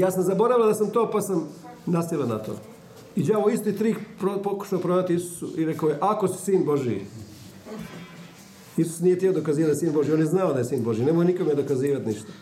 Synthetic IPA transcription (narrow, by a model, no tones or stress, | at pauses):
jaːsamzabo̞ɾaʋilad̪asamt̪oːpasam | nast̪ilˠana̰t̪o̰ː | id͡ʒaoist̪it̪ɾiːkpopoku̥ʃaopɾod̪at̪iisu̥suʔiɾekaojeʔakosu̥siːnbo̞ʒḭ | isu̥snijet̪iod̪o̞kaziːʋat̪ʲsiːnbo̞ʒiːonjeznaod̪ajesiːnbo̞ʒine̞mojenikomed̪o̞kaziːʋat̪niʃt̪ḁ